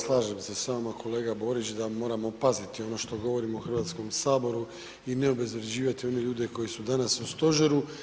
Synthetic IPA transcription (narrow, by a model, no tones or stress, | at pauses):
slˠaːʒemsesaomakʰo̞le̞ːɡabo̞ːɾit͡ʃd̪amo̞ːɾamopazit̪io̞no̞ʃt̪o̞ɡo̞ʋo̞ɾimouxr̩ʋaːt̪sko̞msaːbo̞ɾu | ine̞obe̞zɾed͡ʑiːʋat̪io̞ne̞ʎuːd̪e̞ko̞jisud̪anasust̪o̞ʒeɾu